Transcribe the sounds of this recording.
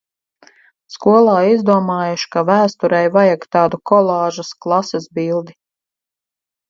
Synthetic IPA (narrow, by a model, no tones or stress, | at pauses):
skuɔlˠɑːizd̪uɔmaːjuʃi̥kavæːst̪uɾɛjvajaɡt̪ɑːd̪ukɔlˠɑːʒɐsklˠasɛsbilˠd̪i